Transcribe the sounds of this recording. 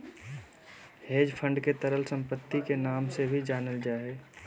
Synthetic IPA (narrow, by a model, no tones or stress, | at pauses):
heːd͡ʒpʰə̃ɳɖket̪əɾəlsə̃mpət̪ːikenaːmsebʱid͡ʒaːnəld͡ʒaːɦeː